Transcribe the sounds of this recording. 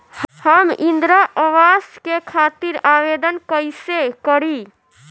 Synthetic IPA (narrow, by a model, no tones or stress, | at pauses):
həmind̪ɾəʔəwaskekʰat̪iɾaʋed̪ənkəjsekəɾi